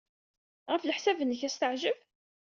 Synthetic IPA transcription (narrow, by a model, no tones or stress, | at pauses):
ʁæfləħsævənːəçæst̪əʕʒəv